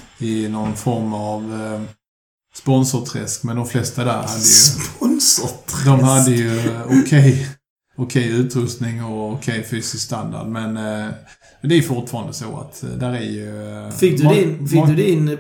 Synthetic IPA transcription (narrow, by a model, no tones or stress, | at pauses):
ɪnɔnfɔɾmav | spɔnsɔt̪ʰɾɛ̰skmɛnd̪ɔmflɛst̪ad̪æɾhad̪ːəjɵpɔnsd̪ɔmhad̪ːəjɵʊkʰɛj | ʊkʰɛjʉ̟ːt̪ɾɵst̪nɪŋɔʊkʰɛjfyːsɪst̪and̪a̰ɖmɛn | d̪ɛæɾjɵfʊʈfɑːɾand̪əso̰ːa̰t̪d̪æːɾæɾjɵfɪk̚d̪d̪ɪnfɪkd̪ɵd̪ɪn